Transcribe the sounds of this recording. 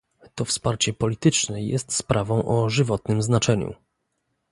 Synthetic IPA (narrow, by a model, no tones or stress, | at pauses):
t̪ɔfspaɾt͡ɕɛpɔlʲit̪ɘt͡ʂnɛjɛ̰st̪spɾʔavɔ̃w̃ʔɔʐɘvɔt̪nɘmznat͡ʂɛɲṵ